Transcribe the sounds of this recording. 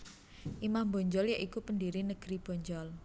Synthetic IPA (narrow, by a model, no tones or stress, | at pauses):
ʔimambɔɲd͡ʒɔljaʔikupəndiɾinəɡ̥ɾib̥ɔ̤ɲd͡ʒɔl